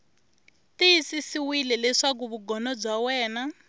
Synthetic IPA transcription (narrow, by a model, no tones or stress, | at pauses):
tisisiwilɛlɛʂak̬uβuɡɔnɔb͡ʐawɛːna